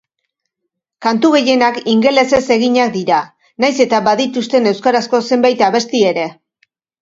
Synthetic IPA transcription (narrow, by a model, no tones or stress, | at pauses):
kant̪uɣe̞je̞nakiŋɡe̞le̞se̞se̞ɣ̞iɲak̚d̪iɾa | najse̞t̪aβaðit̪ust̪e̞ne̞wskaɾasko̞se̞mbajt̪aβe̞st̪ie̞ɾe̞